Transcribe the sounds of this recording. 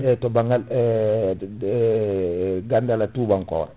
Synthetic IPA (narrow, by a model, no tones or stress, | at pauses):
ɛtɔbaŋal | ɡandalatuːbaŋkɔ̰ːɾɛ